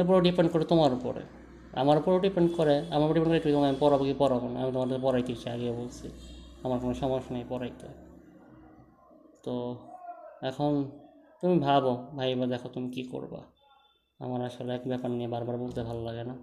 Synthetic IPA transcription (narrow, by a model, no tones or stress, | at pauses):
p̬uɾoɖipeɳɖkoɾet̪omaɾupo̰ɾḛ | a̰maɾupuɾoɖipeɳɖkoɾeamaɾpɾɖipeɳkoɾet̪umit̪omaamipɔɾabokipɔɾabona̰mit̪omaɾt̪epɔɾajt̪et͡ɕʰiaɡebolt͡ɕʰiamaɾkonoʃɔmoʃnajpɔɾajt̪e | t̪o | ɛkʰont̪umibʱabobʱajbad̪ɛkʰot̪umikiko̰ɾba̰ | a̰maɾaʃoleɛkbɛpaɾnijebaɾbaɾbolt̪ebʱalolaɡena